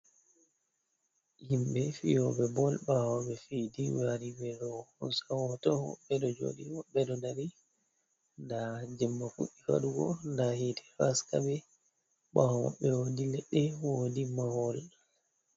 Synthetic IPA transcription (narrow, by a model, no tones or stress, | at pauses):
himbɛfijɔbɛbɔlbawaɓɛfidiwaɾibɛɗɔhunsawɔtɔwɔ̰ɓːɛɗɔd͡ʒo̰ːɗiwɔɓːɛɗɔdaɾi | ndad͡ʒɛmːafṵɗifa̰ɗuɡɔ̰ndahitʰɛ̥faskabɛ | ɓawwa̰ɓːɛwoːdilɛɗːɛwodimahɔl